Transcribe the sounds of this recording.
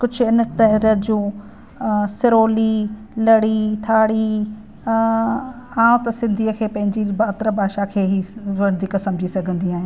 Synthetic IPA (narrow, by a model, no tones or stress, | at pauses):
kʊd͡ʑʱʊɪnəʈ̪ɐɦɪɾəd͡ʑũː | sɪɾoːli | lɐɽit̪ʰaːɽi | ãːʊ̃t̪ɐsɪ̃nd̪ʱiːəkʰeːpɐ̃ɦɪ̃ɲd͡ʑibaːt̪ɾəbʱaːʃakʰeːɦiʋɐɽd̪ɪkəsɐ̃mbd͡ʑʱisɐɡʱə̃nd̪iaːɦɪ̃